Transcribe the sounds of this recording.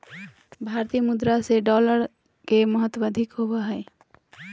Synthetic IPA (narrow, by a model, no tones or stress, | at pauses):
bʱaɾt̪ijəmud̪ɾaseɖɔləɾ | keməɦət̪ːwd̪ʱikɦobəɦəj